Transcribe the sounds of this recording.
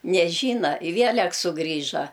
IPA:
nʲɛˈʒʲiːnɐ ɪ ˈʋʲiɛlʲɛk sʊˈɡrʲiːʒɐ

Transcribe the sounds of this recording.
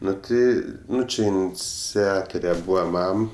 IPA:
ˈnʊ tʲɪ ˈnʊ ˈt͡ʃʲɪ ɪnʲˈt͡sʲæːtoːrʲɛ ˈbuːʋɐ ˈmɐm

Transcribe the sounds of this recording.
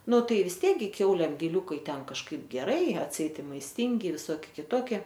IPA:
ˈnʊ ˈtɐɪ ʋʲɪs ˈtʲiɛk ˈɡʲɪ ˈkʲɛʊlʲeːm ɡʲɪˈlʲuːkɐɪ ˈtʲɛn kɐʃˈkɐɪp ɡʲɛˈrɐɪ ɐtʲˈsʲɛɪt ɪ mɐɪsʲˈtʲɪŋʲɡʲɪ ʋʲɪˈsoːkʲɪ kʲɪˈtoːkʲɪ

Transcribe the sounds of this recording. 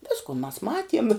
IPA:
ˈʋʲɪskʊ mɐs ˈmɑːtʲiɛm

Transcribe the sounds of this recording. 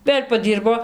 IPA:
ˈʋʲeːlʲ pɐˈdʲiːrboː

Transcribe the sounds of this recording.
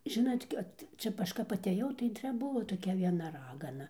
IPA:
ˈʒʲɪnɐtʲ kɐt ˈt͡ʃʲɛ ˈɐʃ kɐp ɐtʲeːˈjɛʊ tɐɪ ˈt͡ʃʲɛ ˈbʊʋoː toːˈkʲɛ ʋʲiɛˈnɐ ˈrɑːɡɐnɐ

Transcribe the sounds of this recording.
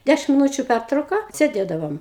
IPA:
ˈdʲæʃʲɪm mʲɪˈnuːt͡ʃʲʊ ˈpʲærtrɐʊkɐ sʲeːˈdʲeːdɐʋoːm

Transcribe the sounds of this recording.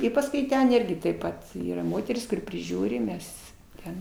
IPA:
ɪ pɐsˈkʊɪ ˈtʲɛn ˈɪrʲɡʲɪ tɐɪp ˈpɐt ˈiːrɐ ˈmoːtʲɛrʲɪs kʊˈrʲɪ pʲrʲɪˈʒʲuːrʲɪ ˈmʲɛs ˈtʲɛn

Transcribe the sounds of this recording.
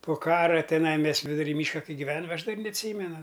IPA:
poː ˈkɑːrɐ tʲɛˈnɐɪ ˈmʲɛs ʋʲɪdʊˈrʲiː ˈmʲiːʃkɐ ˈkɐɪ ɡʲɪˈʋʲæːnɐm ˈɐʃ dɐrʲ nʲɛɐtʲˈsʲiːmʲɛnʊ

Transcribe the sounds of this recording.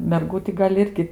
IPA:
mʲɛrˈɡuː tʲɪ ˈɡɐlʲ ˈɪrʲɡʲɪ

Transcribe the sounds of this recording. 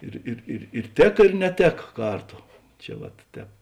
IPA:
ˈɪr ɪr ɪr ɪr ˈtʲeːkɐ ɪr nʲɛˈtʲeːkɐ ˈkɐrˌtoː ˈt͡ʃʲɛ ʋɐt ˈtʲɛːp

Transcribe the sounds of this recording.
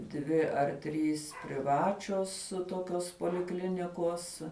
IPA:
ˈdʲʋʲɪ ɐr ˈtʲrʲiːs pʲrʲɪˈʋɑːt͡ʃʲoːs toːˈkʲoːs poːlʲɪˈklʲɪnʲɪkoːs

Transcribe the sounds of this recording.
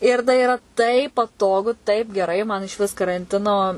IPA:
ɪr tɐɪ ɪˈrɐ tɐɪp pɐˈtoːɡʊ tɐɪp ɡʲɛˈrɐɪ mɐn ɪʃʲˈʋʲɪs kɐrɐnʲˈtʲɪnoː

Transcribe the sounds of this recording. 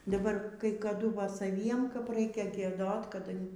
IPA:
dɐˈbɐr kɐɪ kɐˈdʊ ˈʋɐ sɐˈʋʲiɛm kɐp ˈrɐɪkʲɛ ɡʲiɛˈdoːt kɐˈdɐ

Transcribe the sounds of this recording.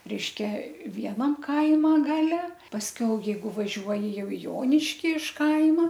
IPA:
ˈrʲɛɪʃʲkʲɛ ˈʋʲiɛnɐm ˈkɐɪmɐ ˈɡɑːlʲɛ pɐsʲˈkʲɛʊ jɛɪˈɡʊ ʋɐˈʒʲuɔjɪ ˈjɛʊ ɪ ˈjoːnʲɪʃʲkʲɪ ɪʃ ˈkɐɪmɐ

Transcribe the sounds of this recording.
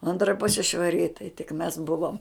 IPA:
ˈɐntrɐ ˈpʊsʲɪ ʃʋɐˈrʲɪ ɪ tɐɪ tʲɪk mʲɛs ˈbʊʋoːm

